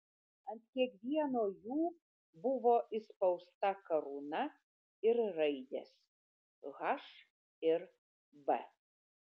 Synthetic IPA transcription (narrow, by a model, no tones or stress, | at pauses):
ɐnt̪kʲiɛkʋʲiɛnoːjuː | bʊʋoːʔɪspɐʊst̪ɐkɐɾunɐ | ɪɾɾɐɪd̪ʲḛs | ɣɐʃ | ɪɾ | bɛ̰